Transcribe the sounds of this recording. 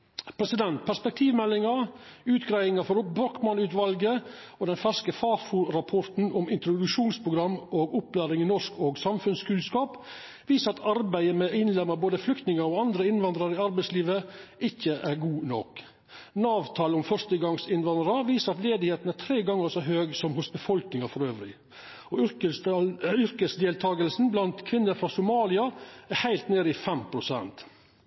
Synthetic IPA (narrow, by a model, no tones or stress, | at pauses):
pʰɾɛsɪd̪ɛnt̪̚pʰæʂpɛk̚t̪ʰiːʋmɛlːɪŋɑʉːt̪ɡɾæɪɪŋɑfɔɾbɾɔkmɑnʉːt̪ʋɑlɡə | oːd̪ɛnfæʂkəfɑːfuɾɑpʰɔɾt̪n̩ʊmɪnt̪ɾʊd̪ʉʂuːnspʰɾʊɡɾɑmːʔoːɡʊplæːɾɪŋɪnɔʂkoːɡsɑmfʉnskʉːlskɑːp | ʋiːsəɾɑt̪ɑɾbæɪəmɛʔɪnlɛmːəboːd̪əflʏkt̪nɪŋəɾoːɑnd̪ɾəɪnʋɑnd̪ɾɑɾɪɑɾbæɪsliːʋəɪçːəʔæɾɡuːnɔ̰k | nɑːʋt̪ʰɑːləʊmfœʂt̪əɡɑŋsɪnʋɑnd̪ɾəʋiːsəɾɑt̪leːd̪ɪheːt̪n̩æt̪ʰɾeːɡɑŋːəʂoɦøːɡsɔmhʊsbəfɔlknɪŋɑfɔɾøːʋɾɪ | ɔʏ | ʏɾkəsd̪eːlt̪ʰɑːɡəlsn̩blɑnt̪kʰʋɪnːəɾfɾɑːsʊmɑːlɪɑæɾhæɪlt̪neːɾəɪfɛmpʰɾʊsɛ̰nt̪